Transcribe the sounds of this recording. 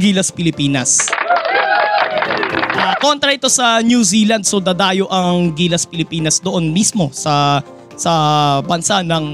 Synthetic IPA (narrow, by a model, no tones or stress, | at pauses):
ɡiːlɐspɪlɪpiːnɐ̰s | ʔo̰kḛkeʔɐko̞nt̪ɾɐʔɪt̪o̞sɐnjuːsiːlɐnd̪̚sod̪ɐd̪aːjo̞ʔɐŋɡiːlɐspɪlɪpiːnɐsd̪oʔo̞nmismo̞sɐ | sɐbɐnsanɐŋ